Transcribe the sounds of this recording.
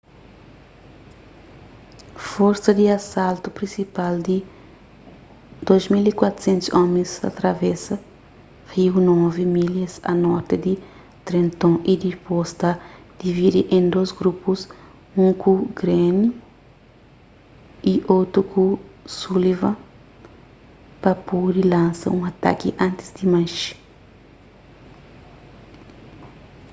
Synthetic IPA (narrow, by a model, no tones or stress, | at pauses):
foɾsɐd̪iɐsalt̪upɾĩsipald̪i | d̪ojzmilikwat̪u̥sẽnt̪ʊ̥sɔ̃mẽsɐ̰t̪ɾɐvɛsɐ | hiwnɔvimiljɐsɐ̰nɔɾt̪ɪd̪i | t̪ɾẽnt̪õʔid̪ipost̪a | d̪̥ivid̪iʔẽnd̪ozɡɾupus | ũŋkʰuɡɾenju | iʔot̪ɾukʰusulivɐ̃ | pɐpodilãnsɐ̰ũŋɐt̪a̰kiʔãnt̪i̥sd̪imãʃi̥